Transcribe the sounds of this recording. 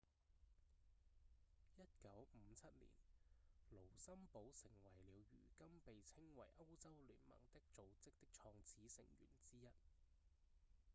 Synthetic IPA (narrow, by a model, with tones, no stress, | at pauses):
jɐ˥t̚kɐ˨˥wm̩˨˧t͡sʰɐ˥t̚lḭː˨˩nlo˨˩wsɐ˥mpo˨˥wsɪ˨˩ŋwɐ˨˩jliː˨˧wɥy̰ː˨˩kɐ˥mpe˨jt͡sʰɪ˥ŋwɐ̰˨˩jʔɐ˥wt͡sɐ˥wly̰ː˨˥nmɐ̰˨˩ŋt̪ɪ˥k̚t͡so˨wt͡sɪ˥k̚t̪ɪ˥k̚t͡ʃʰɔː˧ŋt͡sʰiː˨˥sɪ̰˨˩ŋjy̰ː˨˩nt͡siː˥jɐ˥t̚